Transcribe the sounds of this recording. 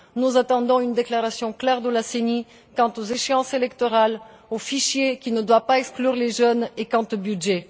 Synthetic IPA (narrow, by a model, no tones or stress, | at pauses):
nuzat̪ɑ̃d̪ɔ̃ynd̪eklaʁasjɔ̃klɛʁd̪əlaseni | kɑ̃t̪ozeʃeɑ̃selɛkt̪ɔʁal | ofiʃjekʲinəd̪wapaɛksklyʁleʒœnekɑ̃t̪obydʒe